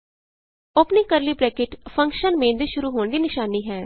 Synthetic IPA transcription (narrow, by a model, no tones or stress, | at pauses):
ʊpniːkəɾliːbɾɛːkɪʈpʰəŋkʃənmẽːnd̪iːʃʊɾuːɦoːɳd̪iːnɪʃaːniːɦɛː